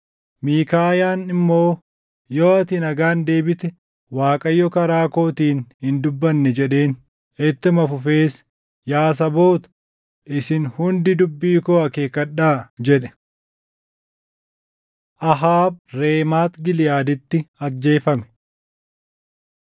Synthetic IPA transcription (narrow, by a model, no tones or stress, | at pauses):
miːkaːjaːnɪmːo̞ː | joːɐt̪inɐɡaːnd̪e̞ːbɪt̪ɛ | waːkʼɐjːɔkɐɾaːko̞ːt̪iːnhɪnd̪ʊbːɐnːɛd͡ʒɛᶑe̞ːn | ɛt̪ːɪmɐfʊfe̞ːs | jaːs̬ɐbo̞ːt̪ɐ̥ | ʔɪsɪnhʊnd̪ɪd̪ʊbːiːkoːɐkeːkːɐɗːaːd͡ʒɛᶑɛ̥ | ʔɐɦaːb̚ɾe̞ːmaːt̪ɡɪlɪjaːd̪ɪt̪ːɪɐd͡ʒːe̞ːfɐmɛ̥